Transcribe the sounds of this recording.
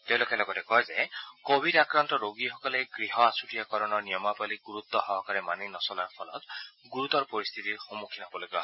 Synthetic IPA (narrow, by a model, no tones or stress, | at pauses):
teʊ̃lokɛlɔɡɔtɛkɔjzɛkobʱidakɹantɔɹoɡixɔkɔlɛɡɹiɦɔasutijakɔɹɔnɔɹnijɔmapaliɡuɹut̪ːɔxɔɦɔkaɹɛmaninɔsɔlaɹpʰɔlɔtɡuɹut̪ɔɹpɔɹist̪ʰitiɹxomukʰinɦɔbɔloɡiba̰